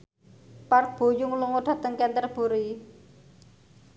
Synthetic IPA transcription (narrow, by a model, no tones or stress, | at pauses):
park̪̚b̥o̤jʊŋluŋoɖ̪̥a̤t̪əŋkɛnt̪ərb̥uɾi